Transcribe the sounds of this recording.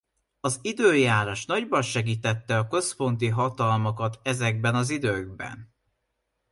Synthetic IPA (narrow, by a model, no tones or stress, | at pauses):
ɒzid̪øːjaːɾoʃn̪ɒɟbɒnʃɛɡiːt̪ɛt̪ːɛɒkø̞spo̞n̪t̪̬iɦɒt̪ɒlmokɒt̪ɛzɛɡ̚bɛnɒzid̪øːɡ̚bɛ̰n